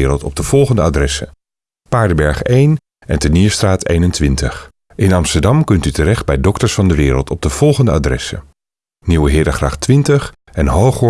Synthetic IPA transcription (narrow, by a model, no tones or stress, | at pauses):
ɾəlˠtɔb̚dəv̥ɔlˠχəndəadrɛsə̰ | paːɹdəbɛɹχejn | ɛntənɪːɹstraːtḛjnəntʋɪntəχ | ʔɪnɑmstəɹdɑmkɵntytərɛχd̚bɛjdɔktəɹsfɑndəʋɪːɾə̰lˠtɔb̚dəv̥ɔlˠχəndəaːdrɛsə̰ | niwəɦɪːdəχra̰ːχtʋɪntəχ | ɛnɦowχ